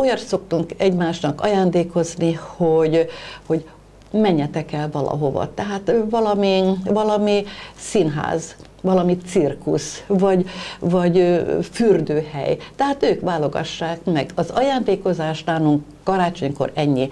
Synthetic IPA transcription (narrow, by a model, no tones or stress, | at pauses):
ojɒt̪so̞kt̪uŋkɛɟmaːʃnɒkɒ̰jaːnd̪eːko̞znihoɟho̞ɟ | mɛɲːɛt̪ɛkɛlvɒlʔɒ̰ɦo̞vɒ̰t̪ɛɦaːt̪vɒlɒmivɒlɒmisinɦa̰ːz | ʋɒlɒmit̪sirkusvɒɟvɒɟfyrd̪øːhɛ̰jt̪ɛɦaːt̪øːkʋaːlo̞ɡɒ̰ʃːaːkmɛɡɒzɒjaːnd̪eːko̞zaːʃnaːluŋkːɒɾaːt͡ʃo̞ɲko̰ɾɛɲːi